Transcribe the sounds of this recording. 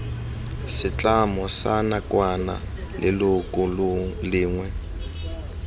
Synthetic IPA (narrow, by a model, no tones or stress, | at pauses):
sɪt͡ɬʼamɔsanakwana̰lɪlʊkʼʊllɪːŋwɛ